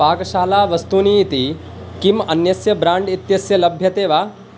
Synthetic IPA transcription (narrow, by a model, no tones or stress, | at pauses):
aːɡɐʃaːlaːʋɐst̪uniːt̪i | kimɐnjɐsjɐbɾaːɳɖit̪jɐsjɐlɐbʱjɐt̪eːʋaː